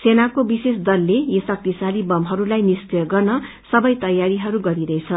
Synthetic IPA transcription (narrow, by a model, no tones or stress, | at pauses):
senakobisesd̪ʌlːejisʌk̚t̪isalibʌmɦʌɾulajnistejɡʌrnʌ | sʌbʌjt̪ʌjaɾiɦʌɾuɡʌɾiɾʌet͡sʰʌ